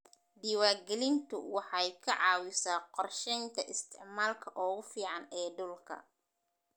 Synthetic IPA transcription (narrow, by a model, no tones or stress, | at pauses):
d̪iːwaːɡɛlɪnt̪ʰʊwɑħɑjkʰɐʕɑːwɪsaːqɔrʃɛjnt̪ʰɐʔɪst̪ʰɪʕmaːlkʰɐʔɔːɣʊfiːʕɑnɛːɖʊlkʰɐ̰